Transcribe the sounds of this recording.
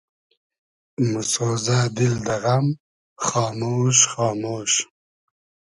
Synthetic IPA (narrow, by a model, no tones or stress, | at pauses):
mʊsoːzad̪ɪld̪ɐɣam | χɑːmoːʃχɑːmoːʃ